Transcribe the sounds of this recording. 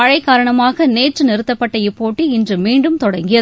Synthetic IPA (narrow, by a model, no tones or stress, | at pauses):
ɐɻɐɪkːaːɾɐɳɐmaːɣɐneːʈrɯnɪɾɯt̪ːɐpːɐʈːɐjɪpːoːʈːiɪndrɯmiːɳɖɯmt̪ɔɽɐŋɡɪjɐ